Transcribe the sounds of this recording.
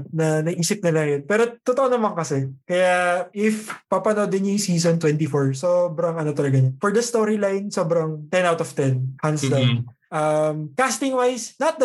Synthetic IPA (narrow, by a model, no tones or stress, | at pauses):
nɐnɐɡʔiːsɪp̚nɐlɐŋjonpɛːɾo̞t̪ot̪oʔonɐmɐŋkɐsɛkɐjaʔɪfpɐpɐnod̪ɪnjʊŋsiːs̬ont̪wɛnt̪ifoɹsobɾɐŋʔɐnot̪ɐlɐɡɐɲonfɔɹd̪ɐst̪oɾilajnso̞bɾɐŋt̪ɛnawt̪ɔv̥t̪ɛnhanslɐ | ʔɐmkast̪ɪŋwajsnɐt̪̚d̪ɐ